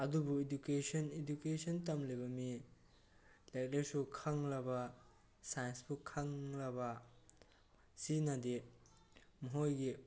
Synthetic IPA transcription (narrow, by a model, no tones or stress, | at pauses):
ɐdubuidukesʰɐnidukesɐntɐmlejβɐmi | lek̚lesukʰɐŋlɐbɐ | sajnspʰukʰɐŋlɐbɐ | sinɐdi | muɦojɡi